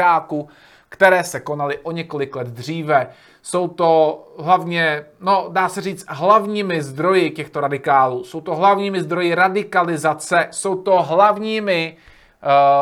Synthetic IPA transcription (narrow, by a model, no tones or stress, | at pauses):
aːku | kt̪ɛɾɛːsɛko̞nalɪʔo̞ɲɛko̞lɪklɛd̪d̪r̝iːvɛ | so̞wt̪o̞ɦlavɲɛno̞daːsɛriːt͡st̪ɦlavɲiːmɪzd̪ɾo̞jɪcɛxt̪o̞ɾadɪkaːluːso̞wt̪o̞ɦlavɲiːmɪzd̪ɾo̞jɪɾadɪkalɪzat͡sɛso̞wt̪o̞ɦlavɲiːmɪ